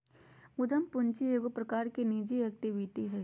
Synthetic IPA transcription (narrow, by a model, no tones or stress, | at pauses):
mʊd̪ʱɐmpʊnt͡ʃieːɡopɾɐkaːɾkiniːd͡ʒiɛk̚ʈiʋɪʈiɦɛ